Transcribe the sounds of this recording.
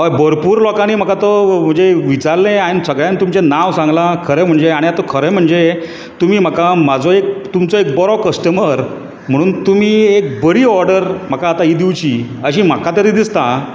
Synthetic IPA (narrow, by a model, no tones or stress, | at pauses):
ɦojbəɾpuːɾlɔkaniːm̤əkat̪ɔm̤əɳd͡zeʋit͡saɾlẽaɽ̃isəɡɭjãnt̪umt͡ɕenaʋsãŋɡlakʰəɾẽm̤əɳd͡zeaɽ̃ijat̪okʰəɾẽm̤əɳd͡ze | t̪um̤iːm̤əkamad͡zoek̚t̪umt͡sɔek̚bɔɾɔkəsʈəməɾ | m̤əɽ̃uːnt̪um̤iːek̚bəɾiːɔɾɖəɾm̤əkaːt̪aiːd̪iʋt͡ɕiː | əɕim̤akat̪əɾid̪ist̪a